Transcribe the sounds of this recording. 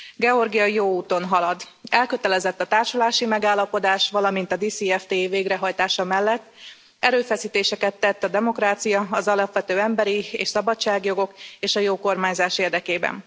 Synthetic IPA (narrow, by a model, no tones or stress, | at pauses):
ɡɛo̞rɡijɒjoːuːt̪o̞nɦɒlɒd̪ | ɛlkøt̪ɛlɛzɛt̪ːɒt̪aːrʃulaːʃimɛɡaːlːɒpo̞d̪aːʃʋɒlɒmin̪t̪ɒd̪iːsiɛft̪eːveːɡrɛɦɒjt̪aːʃɒmɛlːɛt̪ː | ɛɾøːfɛsiːt̪eːʃɛkɛt̪ːɛt̪ːɒd̪ɛmo̞kraːt̪sijɒɒzɒlɒpʋɛt̪øːɛmbɛɾiḛːʃsɒbɒt͡ʃaːɡjo̞ɡo̞keːʃɒjoːko̞rmaːɲzaːʃeːrd̪ɛkeːbɛ̰n